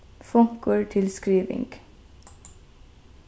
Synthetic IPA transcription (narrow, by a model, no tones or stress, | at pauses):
fɔŋkəɹʈʰɪlskɾiːʋɪ̰ŋɡ̥